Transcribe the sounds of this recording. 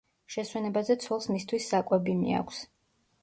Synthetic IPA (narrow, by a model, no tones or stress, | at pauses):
ʃɛswɛnɛbazɛt̪sʰwɛlˠsmist̪ʰwisːakʼwɛbimḭa̰kʷʰs